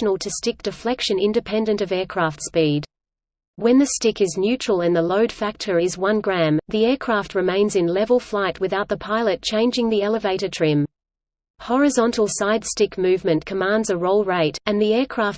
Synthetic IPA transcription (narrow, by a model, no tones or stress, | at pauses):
n̩l̩ˠtʰɨstɪk̚d̥ɨflɛkʃɨ̃nɪ̃ndɨpʰɛ̃ndɨ̃ntʌvɛɹkʰɹ̥æftspid | wɨ̃nðɨstɪkɨznjʉt͡ʃɹ̥əlˠɨ̃nðəloʊd̥fæk̚tʰə˞izwʌ̃nɡɹæ̃mðiɛɹkʰɹ̥æft̚ɹɨmẽɪ̃nzɨ̃nlɛvl̩ˠflaɪt̚wɨθaʊt̪̚ðəpʰaɪlˠɨt̚t͡ʃʰẽɪ̃nd͡ʒɪ̃ŋðiɛlˠəveɪɾə˞tʰɹ̥ɪ̃m | hɔɹɨzɑ̃ntʰˡl̩ˠsaɪd̥stɪkmʉvmɨ̃nkʰəmæ̃ndzɨɹoʊlˠɹeɪɾɨ̃nðiɛɹkʰɹ̥æf